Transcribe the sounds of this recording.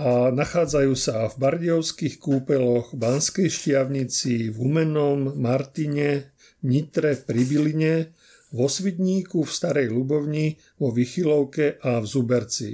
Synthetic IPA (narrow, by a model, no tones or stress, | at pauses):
anaxaːd͡zajuːsavbaɾɟɔʊskixkuːpɛlɔɣbanskɛjʃcɪaʊɲit͡sivumɛnɔmːaɾt̪iɲɛ | ɲit̪ɾɛpɾibiliɲɛ | ʋɔsʋit̪ɲiːkufst̪aɾɛjlubɔʊɲi | ʋɔʋixilɔʊkɛʔavzubɛɾt͡sḭ